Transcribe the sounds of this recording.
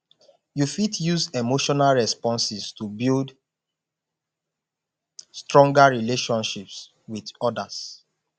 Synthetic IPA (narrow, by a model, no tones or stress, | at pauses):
jufitʰjuzemoʃɔnalɹɛspɔ̃nsistubild | stɹɔ̃ŋɡaɹileʃɔ̃nʃips | widɔdas